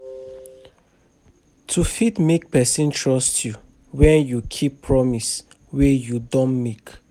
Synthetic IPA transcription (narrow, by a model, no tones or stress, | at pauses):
tʰufitmek̚pɛsĩntʰɹɔstʰju | wɛ̃njukʰipʰːɹɔmis | wejudɔ̃nmek